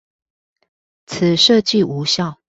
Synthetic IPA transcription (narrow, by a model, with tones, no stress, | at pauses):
t͡s̩ʰ˨˩ʂɤ˥˧˨t͡ɕi˥˨u˧˦ɕjɑ˥˨ʊ